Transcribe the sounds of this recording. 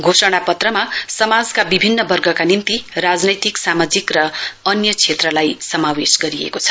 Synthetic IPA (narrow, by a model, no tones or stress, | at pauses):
ɡʱosʌɽ̃apʌt̪rʌmasʌmad͡zkabibʱinːʌbʌrɡʱʌkanimt̪irad͡znʌjt̪iksamad͡zikrʌʌnjʌt͡sʰet̪rʌlajsʌmawesɡʌɾiḛkot͡sʰʌ̥